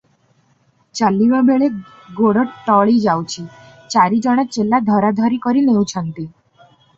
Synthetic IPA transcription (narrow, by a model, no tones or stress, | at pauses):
t͡ʃalːiʋabeɭe | ɡoɽəʈʈɔɭid͡ʒawt͡ʃʰi | t͡ʃaɾid͡ʒɔɽ̃at͡ʃelːad̪ʱɔɾad̪ʱɔɾikɔɾineũt͡ʃʰənt̪i